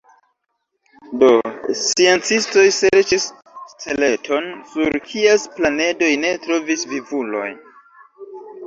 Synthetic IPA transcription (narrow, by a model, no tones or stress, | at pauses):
do̞sie̞nt͡sisto̞jse̞ɾt͡ʃis | t͡sele̞tʰo̞nsuɾkʰiesplane̞do̞jne̞tɾo̞visvivulo̞̰j